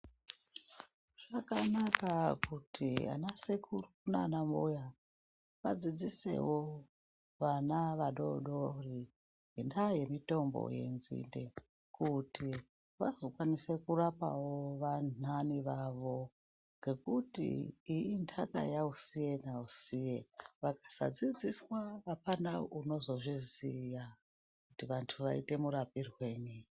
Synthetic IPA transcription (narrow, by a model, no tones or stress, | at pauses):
ʐ̥akanakakutʰia̰nasekuruna̰namuja | ʋad͡zid͡zise̞̰wo | ʋanaʋaɗo̞̰ɗori | ŋɡendaje̞mito̞mbo̰je̞̰nzḭnde | kuti | ʋazo̞kwanise̞kuɾapa̰woʋananiʋaʋo̞ | ŋɡe̞kutḭːintʰaka̰jausijenausijeʋakḁsa̰d͡zid͡ziswaːpanauno̞zo̞ʐizija | kutiʋantʰuʋaḭte̞muɾapirwe̞ːni